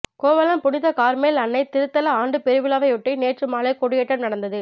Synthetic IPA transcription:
koːʋɐlɐmpʊɽɪðɐkaːɾmeːlɐnːɐɪt̪ɪɾɯt̪ːɐlɐaːɳɖɯpɛɾɯʋɪlaːʋɐɪɔʈːineːʈrɯmaːlɐɪkɔɽɯjɛʈːɐmnɐɽɐnd̪ɐðɯ

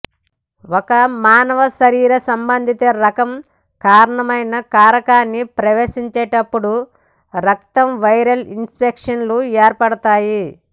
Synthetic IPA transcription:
wokɐmaːnɐʋɐʃɐɾiːɾɐsɐmbɐnd̪ʱit̪eːɾɐkɐm | kaːɾɐɳɐmɐjnɐkaːɾɐkaːnːipɾɐʋeːʃiɲt͡ʃeːʈɐpːuɽu | ɾɐk̚t̪ɐmʋɐjɾɐlinspekʂɐnlueːɾpɐɽɐt̪aːji

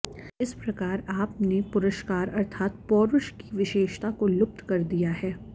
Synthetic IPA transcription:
ɪspɾɐkaːɾaːpnepʊɾəʃkaːɾɐɾt̪ʰaːt̪̚pɔːɾʊʃkiʋɪʃeːʃt̪akolʊp̚t̪kɐɾd̪ijaɦɛː

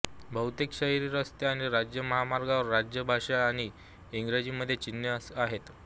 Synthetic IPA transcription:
bʱəwt̪ekɕəɦiɾiɾəst̪eaɽ̃iɾad͡ʑjəməɦamaɾɡaʋəɾːad͡ʑjəbʱaʂaːɽ̃i | iŋɡɾed͡ʑiməd̪ʱːjet͡ɕinjəsaɦet̪

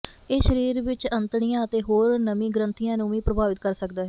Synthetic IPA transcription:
eːʃəɾiːɾʋɪt͡ʃənt̪ɳijãːət̪eːɦoːɾnəmĩːɡəɾənt̪ijãːnũːʋiːpɾəbʱaːʋɪt̪̚kəɾsəkd̪aːɦɛː

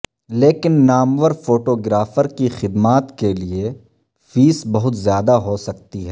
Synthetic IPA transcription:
leːkɪnːaːmʋəɾfoːʈoːɡɾaːfəɾkixɪd̪maːt̪kelie | fiːsbɐɦʊt̪zjaːd̪aɦosɐk̚t̪iɦɛː

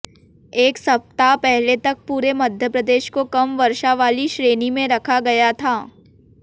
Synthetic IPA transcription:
eːksɐp̚t̪apɛɦlet̪ɐk̚puːɾemɐd̪ʱjəpɾɐd̪eːʃkokɐmʋɐɾʃaʋaːliʃɾeːnimẽɾɐkʰaɡɐjat̪ʰaː

